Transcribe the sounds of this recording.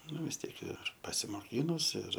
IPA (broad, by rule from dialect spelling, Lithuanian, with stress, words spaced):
ˈnʊ ʋʲɪs ˈtʲiɛk ɪr pɐsʲɪmoːˈkʲiːnʊs ɪr